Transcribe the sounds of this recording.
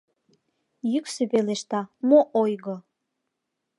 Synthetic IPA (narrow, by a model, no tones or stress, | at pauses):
jyksøpeleʃt̪ɑmoʔojɣɤ